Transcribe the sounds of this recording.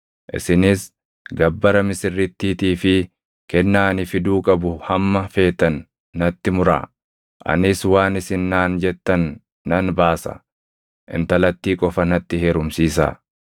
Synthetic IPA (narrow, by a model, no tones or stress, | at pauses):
ʔɪ̰sɪnɪs | ɡɐbːɐɾɐmɪsɪrːɪt̪ːiːt̪iːfɪ | kɛnːaːnɪfɪd̪uːkʼɐbʊhɐmːɐfe̞ːt̪ːɐnː | ɐt̪ːɪmʊɾa̰ː | ʔɐ̰nɪswaːnɪsɪnːaːnd͡ʒɛt̪ːɐnː | ɐnbaːsɐ̰ | ʔɪ̰nt̪ɐlɐt̪ːiːkʼɔfɐnɐt̪ːɪheːɾʊmsiːsa̰ː